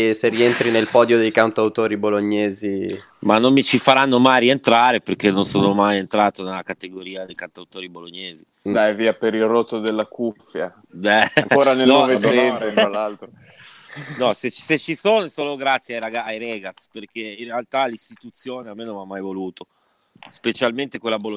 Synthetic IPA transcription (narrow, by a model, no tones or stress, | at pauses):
serient̪ɾinelpɔːd̪jod̪ejkant̪awt̪oːɾiboloɲːeːzi | manːomːit͡ʃifaɾanːomajɾient̪ɾaːɾeperk̟enːonsoːnomajent̪ɾaːt̪onelakat̪eɡoɾiːad̪ejkant̪awt̪oːɾiboloɲːeːzi | d̪ajviːapeɾilrot̪ːod̪elːakufːja | dɛa̰ŋkoːɾanelnɔoveealːalt̪ɾo | nɔset͡ʃset͡ʃːisoːnosoːloɡɾat̪sːjeajɾaɡaajɾɛːɡat̪sperkeinrealt̪alist̪it̪ut̪sːjoːneamːenonamːajvoluːt̪o | spet͡ʃalment̪ekwelːabolo